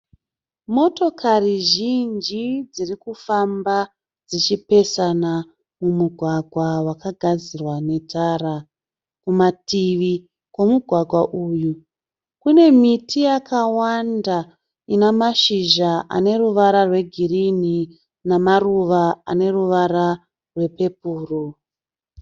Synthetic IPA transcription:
mo̞to̞kʰariʒind͡ʒid͡zirikufamba | d͡zit͡ʃipe̞sana | mumuɡʱwaɡʱwawakaɡʱad͡zirwane̞tʰara | kumatiʋi | kwo̞muɡʱwaɡʱwaʔuːju | kune̞mitʰijakawanda | inamaʃiʒaʔa̰ne̞ruʋaɾarwe̞ɡʱirini | namaruʋaa̰ne̞ruʋaɾa | rwe̞pe̞puːro

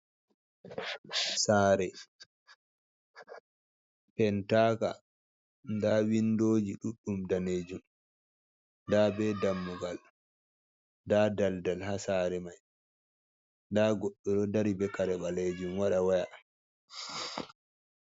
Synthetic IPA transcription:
saːɾɛ | pɛntaːka̰ | ndaːwindoːd͡ʒiɗuɗːumdaneːd͡ʒum | ndaːbɛdamːuɡal | ndaːdaldalhasaːɾɛmaj | ndaːɡɔɗːɔɗɔdaɾibɛkaɾɛɓaleːd͡ʒumwaɗawaja

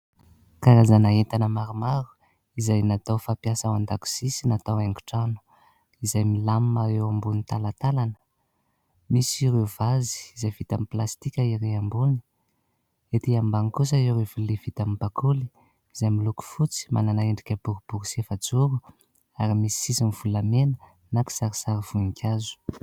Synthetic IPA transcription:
kaɾazanaɦent̪anəmaɾumaɾu̥ | izajnat̪awfapjasawand̪aku̥sisinat̪awaŋɡu̥ʈ͡ʂanu̥ | izajmilammaɾewambunit̪alat̪alanə̥ | misiɾewvazi̥izajvit̪amiplast̪ikʲaiɾeambuni̥ | et̪iambaŋikus̬aeɾevulivit̪amibakʰuli̥ | izajmiluku̥fut͡si̥ma̰nanaeɳɖ͡ʐikʲəbuɾub̥uɾsefad͡zuɾu | aɾimisi̥isimiv̥ulamenə | naki̥saɾisaɾiv̥unikʰʲazu̥

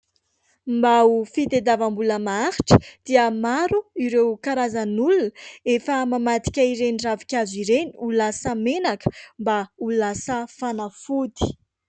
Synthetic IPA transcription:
mbaufid̪ed̪avambuləmaaxi̥ʈ͡ʂə̥d̪̥iəmaɾuiɾewkaɾazənulunəefəmamat̪i̥kʲaiɾeniravikʲaziɾeniulasəmenakə̥mbaulasəfanafud̪i̥

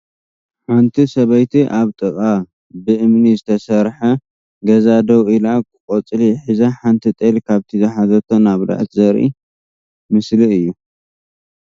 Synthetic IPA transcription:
ħant̪ʰisɐβɐjt̪ʰiʔaβt̪ʼɨkʼa | bɨʔɨmnizɨt̪ʰɐsɐɾħɐ | ɡɐzad̪ɐwilakɨkʼot͡sʼliħizaħant̪ʰit̪ʼelkʰaβt̪ʰizɨħazɐt̪ʰonaβd̪a̰ʕt̪zɐɾʔḭ | mɨsliɨjːu

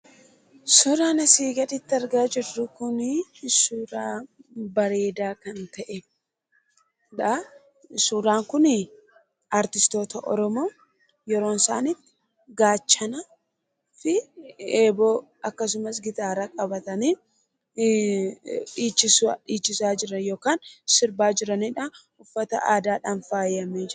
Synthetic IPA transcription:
sɔɾaːnɐsiːɡɐd̪ɪt̪ːɪɐɾɡaːd͡ʒɪrːʊkʊnɪsuːɾaːbɐɾe̞ːd̪aːkɐnt̪ɐʔɛ | ᶑɐ | suːɾaːŋkʊnɪ | ɐɾt̪ɪst̪o̞ːt̪ɐʔɔ̰ɾɔmo̞ː | jɛɾo̞ːnsa̰ːnɪt | ɡaːt͡ʃːɐnɐ | fɪeːboː | ɐkːɐs̬ʊmɐs̬ɡɪt̪aːɾɐkʼɐbɐt̪ɐniː | ᶑiːt͡ʃːɪsiːt͡ʃːɪsaːd͡ʒɪɾɐnjo̞ːkaːnsɪɾbaːd͡ʒɪɾɐniᶑa | ʊfːɐt̪ɐ̰ʔaːd̪aːᶑaːnfaːjɐmed͡ʒ

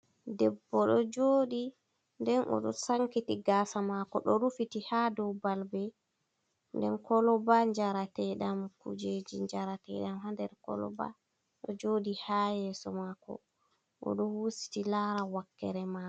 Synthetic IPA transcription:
dɛbːɔɗɔd͡ʒoːɗi | ndɛnʔɔ̰ɗɔsaŋkitiɡaːsamakɔɗɔɾufitihadɔwbalbɛ | ndɛnkɔlɔbaɲd͡ʒaɾatɛɗamkṵd͡ʒed͡ʒiɲd͡ʒaɾatɛ̰ɗamhandɛɾkɔ̰lɔ̰ba̰ | ɗɔd͡ʒoːɗihajɛːsɔmakɔ̰ | ʔɔ̰ɗɔhusi̥tilaɾawakːɛ̰ɾɛma

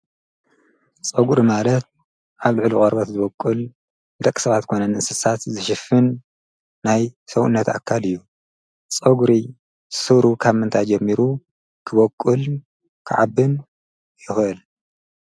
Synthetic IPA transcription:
t͡sʼɐɡuɾimalɐt̪̚ | ʔaβlɨʕlukʼɐɾbɐt̪zɨβɔkʼːul | d̪ɐkʼːi̥sɐβat̪kʰonɐnɨʔsɨsat̪zɨʃɪfɨnː | ajsɐwṵnːɐt̪a̰kʰːalɨjːu | t͡sʼoɡuɾi | sɨβɾukʰaβmɨnt̪ʰajd͡ʒɛmːiɾu | kʰɨβokʼːul | kʰɨʕabːɨn | jɪxʔɨl

